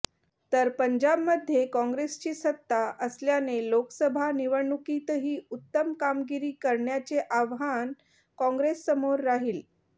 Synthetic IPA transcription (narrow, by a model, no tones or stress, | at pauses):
t̪əɾpəɲd͡ʑabməd̪ʱjekɔ̃ŋɡɾest͡ɕiːsət̪ːaʔəsljanelokəsəbʱaniʋəɳukit̪ɦiːut̪ːəmkamɡiɾiːkəɾɳjat͡seʔaʋɦan | kɔ̃ŋɡɾesːəmoɾːaɦiːl